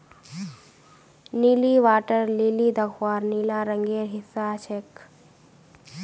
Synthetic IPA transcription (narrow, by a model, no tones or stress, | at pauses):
niːliʋaːʈəɾliːliːd̪ɐkʰwaːɾniːlaːɾəŋɡeːɾɦɪsaːt͡ʃʰek